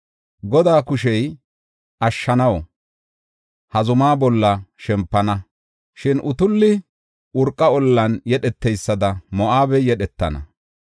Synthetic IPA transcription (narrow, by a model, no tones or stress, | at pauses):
ɡɔd̪aːkʊʃɛj | ʔɐʃːɐnɐw | hɐzʊmaːbɔlːɐʃɛmpːɐnɐ | ʃɪnʔʊt̪ʊlːɪ | ʊɾkʼːɐɔlːɐnjɛɗɛt̪ːɛjsːɐd̪ɐmɔʔaːbɛjɛɗɛt̪ːɐnɐ̰